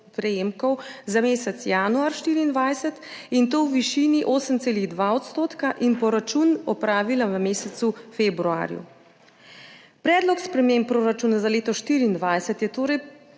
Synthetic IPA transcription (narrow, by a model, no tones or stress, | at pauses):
pɾɛjeːmkɔwzameːsɛt̪sjaːnuaɾʃt̪iːɾiːnd̪ʋajsɛt̪int̪oːwʋiʃiːniʔoːsəmseːliɣd̪ʋaːɔt̪st̪oːt̪kaʔinpɔɾat͡ʃunɔpɾaːʋilaʋəmeːsɛt̪sufebɾua̰ːɾjṵ | pɾɛːd̪lɔkspɾɛmempːɾoːɾat͡ʃuːnazaleːt̪ɔʃt̪iːɾiːnd̪ʋajsɛt̪jɛt̪oːɾɛj